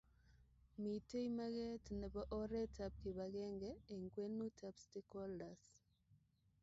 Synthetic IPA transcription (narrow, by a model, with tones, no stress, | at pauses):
mi˨te˦jma˦ɣɛ˦tnɛ˨bɔ˦ʔɔ˦ɾɛ˦ta˦p̚ki˨βa˨ɣɛ˦ŋɡɛː˨ŋɡwe˦nu˦tʰapsti˦kɔ˦ldas